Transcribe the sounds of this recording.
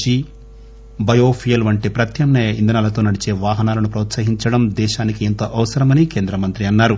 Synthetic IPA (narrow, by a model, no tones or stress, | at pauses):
t͡ʃi | bɐjoːpʰijɐlʋɐɳʈipɾɐt̪jɐmnejɐind̪ɐnaːlɐt̪o̞ːnɐɽit͡ʃe̞ːʋaːɦɐnaːlɐnupɾɔːt̪sɐɦiɲt͡ʃɐɽɐmd̪ɛːʃaːnikient̪oːʔɐʋɐsɐɾɐmɐnikeːnd̪ɾɐmɐnt̪ɾiɐnːaːɾu